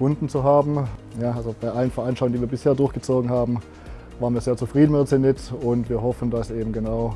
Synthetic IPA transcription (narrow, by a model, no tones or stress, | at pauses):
fʊndn̩t͡suɦaːbm̩ | jaːʔalzob̥aɪʔalənfɛɐʔanʃtalʊŋndiːviːɐbɪsheːɐdʊɐçɡ̥ət͡soːɡŋ̩haːbm̩ | vaːʁənviːɐzeːɐt͡sufʁ̥iːdn̩mɪnt͡senɪtʊntv̥iːɐhɔfn̩dasʔeːbm̩ɡənaʊ